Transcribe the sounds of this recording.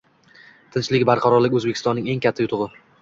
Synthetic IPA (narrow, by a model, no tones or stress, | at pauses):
t̪ʰɪnt͡ʃlɪkʲbaɾqʰɑɾɒɾlɪkʲɵzbekʰʲɪst̪ɒnːɪŋe̞ŋkʲʰat̪ʰːajʊt̪ʰʊʁɨ